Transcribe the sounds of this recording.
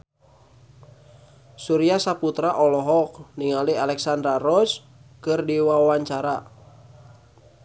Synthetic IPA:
suɾiasaput̪ɾaʔɔlɔɦɔk̚niŋalialɛksand̪ɾaɾɔs | kɨrdiwawaɲt͡ʃaɾa̰

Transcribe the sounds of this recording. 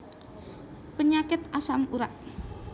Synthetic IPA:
pəɲakɪt̪asamuɾaʔ

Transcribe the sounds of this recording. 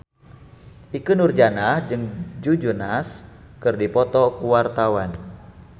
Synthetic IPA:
ʔikunurd͡ʒanahd͡ʒɨŋd͡ʒud͡ʒunas | kɨrdipɔt̪ɔkuwart̪awan

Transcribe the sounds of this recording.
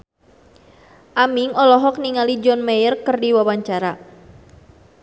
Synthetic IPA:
ʔamiŋɔlɔɦɔk̚niŋalid͡ʒɔnmajərkərdiwawaɲt͡ʃaɾa

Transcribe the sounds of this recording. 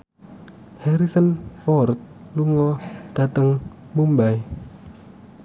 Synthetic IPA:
hɛɾisənfɔrt̪̚luŋɔd̥a̤t̪əŋ | mumbaj

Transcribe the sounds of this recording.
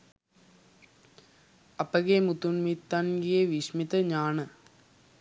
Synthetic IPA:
ɐpɐɡeːmut̪unmit̪ːaːnɡijeʋiʂmit̪ɐɲaːnɨ

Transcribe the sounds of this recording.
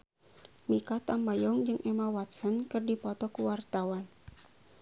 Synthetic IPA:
mikat̪ambajɔŋd͡ʒɨŋʔɛmawat̪sənkɨrdipɔt̪ɔkuwart̪awan

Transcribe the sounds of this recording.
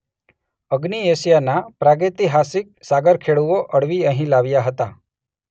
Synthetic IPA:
əɡniesijanapɾaɡet̪iɦasɪk̚saɡəɾkʰeɭuoʔəɽʋiəɦĩlaʋjaɦət̪a

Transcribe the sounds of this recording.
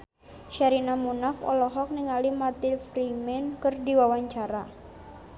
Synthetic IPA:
ʃaɾinamunafɔ̰lɔɦɔk̚niŋalimart̪ɪlfɾimɛnkɨrdiwawaɲt͡ʃaɾa

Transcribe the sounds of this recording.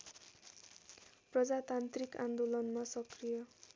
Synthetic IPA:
prʌd͡zat̪ant̪rikãnd̪olʌnmasʌkrijʌ

